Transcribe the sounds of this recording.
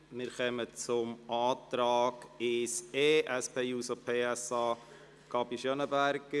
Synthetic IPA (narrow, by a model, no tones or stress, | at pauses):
mɪɾxœmət͡sʊmɑːt̪ɾɑːɡ̥ɪseːʔɛspʰeːjuːsopʰeːɛsɑː | ɡ̥ɑbiʃœnəbæɾɡ̥